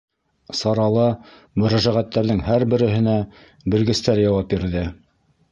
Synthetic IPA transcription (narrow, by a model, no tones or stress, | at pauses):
sɑɾɑlˠɑ | mɵ̆ɾæʒæʁæt̪ːæɾðɘŋhæɾbɘ̆ɾɘ̆ɦɘ̆næ | bɘ̆lɡɘ̆st̪æɾjɑwɑp̚biɾðɘ